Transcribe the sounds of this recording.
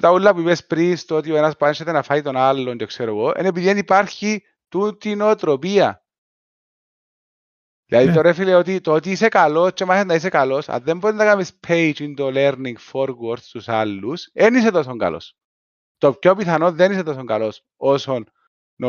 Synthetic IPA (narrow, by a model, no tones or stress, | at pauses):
t̪aulːapuiβespɾist̪ot̪ioenaspanʃet̪enafajit̪onalːond͡ʒoekseɾoɣoʔḛnep̬iðienipaɾçi | t̪ut̪inot̪ɾopia̰ | lʔaðit̪oɾefileot̪̬it̪ot̪iːs̬ekalost͡ʃemasenais̬ekalosa̰ðːemboðend̪akamispʰejt͡ʃind̪oleɾniŋɡfoɾɣoɾt̪st̪usalːusenis̬et̪os̬oŋka̰lo̰s | t̪opkːopiθanoðːeniset̪os̬oŋkalos | osonː | o